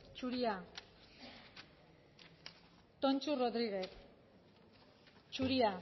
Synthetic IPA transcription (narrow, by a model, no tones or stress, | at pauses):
t͡ʃuɾia | t̪ont͡ʃuroðɾiɣeθ | t͡ʃuɾia